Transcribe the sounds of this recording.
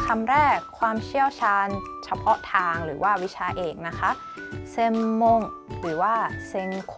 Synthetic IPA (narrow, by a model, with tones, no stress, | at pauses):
kʰa˧mɾɛː˥˩kʰːwaː˧mt͡ɕʰi˥˩əwt͡ɕʰaː˧n | t͡ɕʰa˧pʰɔ˦˥t̪ʰaː˧ŋɾɯː˩˦waː˥˩wi˦˥t͡ɕʰaː˧ʔeː˨˩ŋna˦˥kʰa˦˥ | se˧mːo˧ŋɾɯː˩˦waː˥˩se˧ŋkʰ